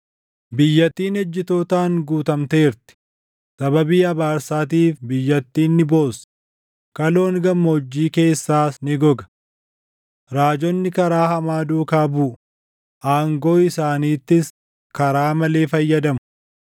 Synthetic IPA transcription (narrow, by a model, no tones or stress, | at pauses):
bɪjːɐt̪ːiːnɛd͡ʒːɪt̪o̞ːt̪aːŋɡuːt̪ɐmt̪e̞ːɪɾt̪ɪ̥ | sɐbɐbiːɐbaːɾsaːt̪̬iːfbɪjːɐt̪ːiːnːɪbo̞ːs | kɐlo̞ːŋɡɐmːɐɔd͡ʒːiːke̞ːsːaːsnɪɡɔɡɐ̥ | ɾaːd͡ʒɔnːɪkɐɾaːhɐmaːd̪uːkaːbuːʔʊ | ʔaːŋɡoːɪsaːniːt̪ːɪs | kɐɾaːmɐle̞ːfɐjːɐd̪ɐmʊ̥